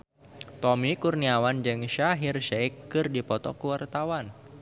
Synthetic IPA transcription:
t̪ɔmikurniawand͡ʒɨŋʃaɦɪrʃeikːɨrdipɔt̪ɔ̰kuwart̪awan

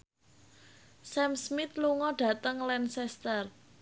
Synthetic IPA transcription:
sɛmsmit̪luŋɔɖ̥ä̤t̪əŋlɛnsɛst̪ər

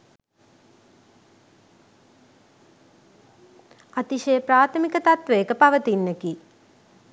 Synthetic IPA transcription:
at̪iʃeːpɾaːt̪ʰəmikət̪at̪ʋejəkəpaʋət̪inːeki

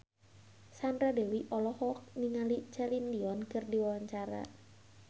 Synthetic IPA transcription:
sandɾadewiʔɔlɔhɔk̚niŋalit͡ʃɛlinliɔnkɨrdiwawaɲt͡ʃaɾa̰

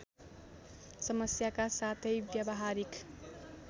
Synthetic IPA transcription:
sʌmʌsjakasat̪ʰʌjbjabʌɦaɾik

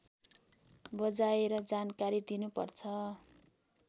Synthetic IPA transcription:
bʌd͡zaeɾʌd͡zankaɾid̪inupʌ̰rt͡sʰʌ

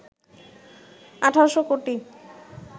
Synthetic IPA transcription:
aʈʰaʃokoʈi

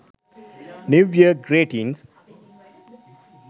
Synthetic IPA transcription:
nuʋiəɡɾeʈĩns

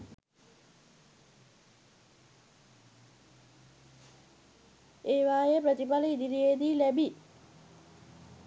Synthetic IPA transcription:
eːʋaːjeprət̪ipaləid̪iɾijeːd̪iːlæbi

